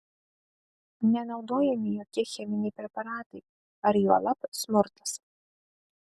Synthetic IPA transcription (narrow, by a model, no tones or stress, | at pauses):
nʲɛnɐʊd̪oːjɛmʲɪjɔːkʲiɛxʲɛmʲɪnʲɛɪpʲɾʲɛpɐɾɑːt̪ɐɪ | ɐɾjuɐlˠɐpsmʊɾt̪ɐ̥s